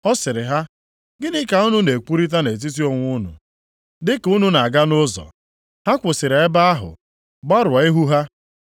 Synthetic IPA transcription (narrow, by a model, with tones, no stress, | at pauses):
ɔ˦sɪ˨ɾɪ˨ɦa˦ | ɡɪ˦nɪ˦ka˨ʊ˦nʊ˦ne˨k͡pu˦ɾi˦t̬a˦ne˨t̬i˦t̬i˦o˦ŋʷʊ˦nʊ̰˨ | dɪ˦ku˦nu˦na˨a˨ɡa˦nʊ˦zɔ̰˨ | ha˦kʷʊ˨sɪ˨ɾe˦ba˦a˦ɦʊ̰˨ | ɡ͡ba˦ɾa˨ɪ˦ɦu˦ɦa˦